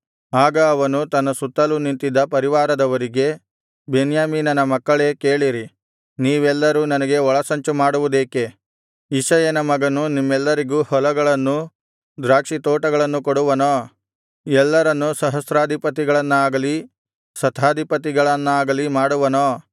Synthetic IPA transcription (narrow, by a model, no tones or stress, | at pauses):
aːɡɐːʋɐnut̪ɐnːɐsut̪ːɐlunint̪id̪ɐpɐɾiʋaːɾɐd̪ɐʋɐɾiɡe̞ | benjaːmiːnɐnɐmɐkːɐɭe̞ːke̞ːɭiɾi | niːʋɛlːɐɾuːnɐnɐɡe̞ɔɭɐsɐɲt͡ʃumaːɽuʋud̪eːke̞ | iʃɐjɐnɐmɐɡɐnunimːɛlːɐɾiɡuːhɔlɐɡɐɭɐnːu | d̪ɾaːkʂit̪oːʈɐɡɐɭɐnːukɔɽuʋɐnoː | ɛlːɐɾɐnːusɐɦɐsɾaːd̪ʱipɐt̪̬iɡɐɭɐnːuaːɡɐli | sɐt̪ʰaːd̪ʱipɐt̪̬iɡɐɭɐnːaːɡɐlimaːɽuʋɐnoː